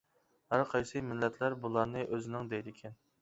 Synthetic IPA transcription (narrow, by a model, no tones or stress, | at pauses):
hæɾqʰɑjsɨmɪlːɛt̪ʰlæɾbulˠɑɾnɨʔøzɪnɪŋd̪ɛjd̪ɪkʲʰɛn